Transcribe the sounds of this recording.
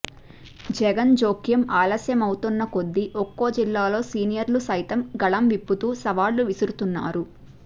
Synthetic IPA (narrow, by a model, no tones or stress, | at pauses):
d͡ʒɛɡɐnd͡ʒoːkjɐmaːlɐsjɐmɐwut̪unːɐko̞d̪ːiʔokːo̞ːd͡ʒilːaːlo̞ːsiːnijɐɾlusɐjt̪ɐmɡɐɭɐmʋipːut̪uːsɐʋaːlːuʋisiɾut̪unːa̰ːɾu